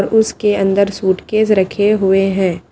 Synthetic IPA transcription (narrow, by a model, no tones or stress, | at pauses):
ɾʊskeɐ̃nd̪əɾsuːʈkeːzɾɐkʰeɦʊeɦɛ̃ː